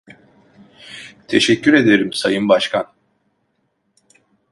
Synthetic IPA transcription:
t̪ʰe̞ʃɛcʰːyɾe̞d̪e̞ɾimsajɯnbaʃkʰan

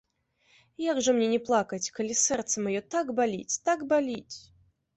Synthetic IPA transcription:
jaɡʐɨmnʲenʲɪplˠakɐtʲkɐlʲisɛrt̪səmajɔt̪aɡbalʲḭt͡sʲt̪akbalʲit͡sʲ

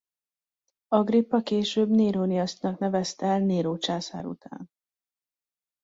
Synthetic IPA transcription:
ɒɡripːɒkeːʃøːbneːɾoːnijɒst̪nɒknɛvɛst̪ɛɛlneːɾoːt͡ʃaːsa̰ːɾṵt̪ʰa̰ːn

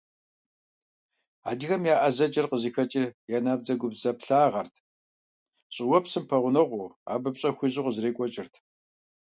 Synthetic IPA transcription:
a̰ːdiɣɐmjaːʔɐzɐt͡ʃʼɪrqəziːxɐt͡ʃʼɪjaːnaːb̚d͡zɐɡʷʊbzɐpɬaːʁɐrtʰ | ɕʼɪwɐpsɨmpʰɐʁʷʊnɐʁʷʊa̰ːbɨpɕʼɐxʷiʑɪʁəzreːkʷʼɔt͡ʃʼɪrtʰ

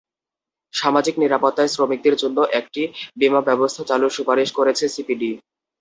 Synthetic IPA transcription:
ʃamad͡ʑikniɾapot̪ːaesɾomik̚d̪eɾd͡ʑonːoʔɛk̚ʈibimabɛbost̪ʰat͡ɕaluɾʃupaɾiʃkoɾet͡ɕʰesipiɖi

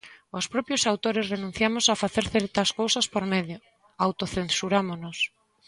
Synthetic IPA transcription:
ospɾɔpjosawt̪oɾɪsrenũn̟θjamosafaθeɾθɛɾt̪ɐskowsɐspoɾmeðjo | awt̪oθensuɾamonos

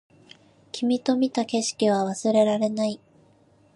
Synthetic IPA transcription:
kʲʰimʲit̪o̞mʲit̪ake̞ɕi̥kʲiβ̞aβasɨɾe̞ɾaɾe̞nai

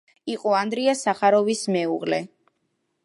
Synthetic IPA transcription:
iqʼɔand̪ɾiasaχaɾɔvismɛuʁlɛ

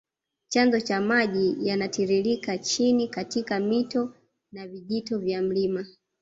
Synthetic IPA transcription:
t͡ʃanzɔt͡ʃamaʄijanatiɾilikat͡ʃinikatikamitɔ | naviʄitɔvjam̩lima

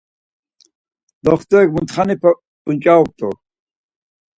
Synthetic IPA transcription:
d̪ɔχt̪ɔɛkmunt̪χanipʰa | unt͡ʃʼaɔp̚t̪ʼɔ̰

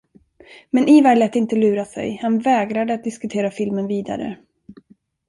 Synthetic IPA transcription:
mɛnʔiːvæːɭɛːt̪ɪnt̪əlʉ̟ːɾasɛ̰jhanvɛːɡɾad̪əat̪̚d̪ɪskɵt̪ʰeːɾafɪlmənviːd̪a̰ɾə̰

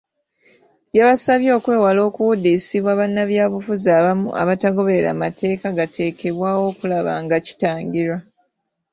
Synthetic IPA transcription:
jaβasaβjo̞ːkwe̞ːwalo̞ːkuwudisiβwaβanːaβjaːβufuzaːβamṵʔa̰βataɡo̞βe̞eɾa̰matʰe̞ːkaɡatʰe̞ːkʰe̞βwaːwo̞ːkulaβa̰ŋɡaci̥taːɲɟiɾwa

